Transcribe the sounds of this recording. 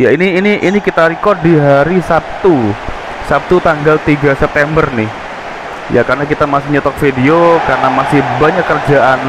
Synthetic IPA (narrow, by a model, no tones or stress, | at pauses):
jainiːniʔinikit̪aɾikɔrd̚diɦaɾisap̚t̪u | sap̚t̪ut̪aŋɡalt̪iɡasɛp̚t̪ɛmbərnɪh | ja̰karnakit̪amasɪhɲɔt̪ɔk̚fideokarnamasɪhbaɲakːərd͡ʒaʔan